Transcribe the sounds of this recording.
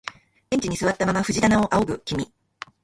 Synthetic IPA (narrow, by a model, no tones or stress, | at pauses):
ẽɲ̟t͡ɕiɲ̟isɨβat̪ːamamaɸɯ̟ʑit̪anao̞ʔaoɡɯ̟kʲimʲi